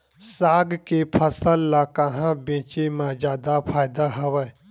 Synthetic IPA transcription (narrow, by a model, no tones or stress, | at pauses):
saːɡkepʰəsəlːakəɦãbẽːt͡ʃemãzaːd̪apʰaːɪd̪aɦɐʋə